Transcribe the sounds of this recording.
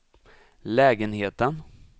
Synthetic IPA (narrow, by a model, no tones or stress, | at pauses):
lɛːɡənheːt̪ən